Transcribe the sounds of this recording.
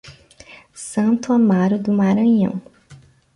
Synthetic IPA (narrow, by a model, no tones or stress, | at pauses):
sɐ̃nt̪ʊamaɾʊd̪ʊmaɾɐ̃ɲɐ̰̃w̃